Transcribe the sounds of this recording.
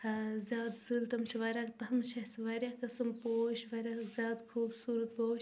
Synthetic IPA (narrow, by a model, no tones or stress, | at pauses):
zʲjaːd̪sult̪ɐmt͡ʃʰiʋɐɾʲaːkt̪ɐɦɐmt͡ʃʰɐsʋɐɾʲjaːkɐsɐmpoːʃʋɐɾʲjakzʲjaːd̪kʰuːbsuɾət̪̚poːʃ